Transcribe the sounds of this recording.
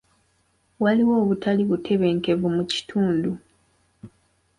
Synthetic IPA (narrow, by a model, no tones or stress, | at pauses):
waliwo̞ːβutaliβutʰe̞βe̞ːŋke̞vumuci̥tʰuːndu